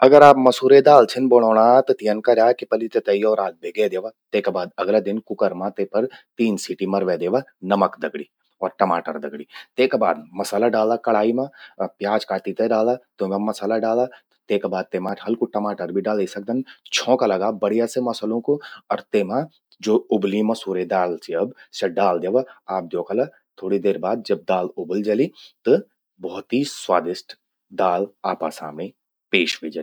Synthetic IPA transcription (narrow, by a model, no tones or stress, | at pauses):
ɐɡəɾaːpmɐsuːɾed̪aːlt͡ʃʰɪnboːɽ̃ɔːɽ̃at̪ɔt̪ijənkaɾaːkipɐlit̪et̪eiɔːɾaːl̚bʱeːɡed̪eːʋat̪eːkabaːd̪ɐɡlad̪ɪnkʊkəɾmãt̪eːpɐɾt̪iːnsiːʈimɐɾʋed̪eːʋanɐməkd̪ɐɡɽiː | ɔːɾʈɐmaːʈəɾd̪ɐɡɽiːt̪eːkaba̰ːd̪mɐsaːlaɖaːld̪akɐɽ̤aːimãpjaːd͡ʒkaːʈ̪it̪eɖaːlat̪omamɐsaːlaɖaːla | t̪eːkabaːd̪̚t̪eːmaːʈ̪ʰɦɐlkuʈɐmaːʈəɾbʱiɖaːld̪isɐk̚d̪ɐnt͡ʃʰɔ̃ːkalɐɡabɐɽijasemɐsəlõkoɔɾt̪eːmã | d͡ʒoːʊblimɐ̃suːɾed̪aːlsiɐbsɐɖaːld̪eːʋaaːp̚d̪joːkəla | t̪ʰoːɽid̪eːɾbaːd̪̚d͡ʒɐb̚d̪aːlʊbəld͡ʒɐlit̪ɨ | bɔːt̪iswaːd̪ɪsʈ | d̪aːlaːpasa̰ːmne | peːʃʋed͡ʒa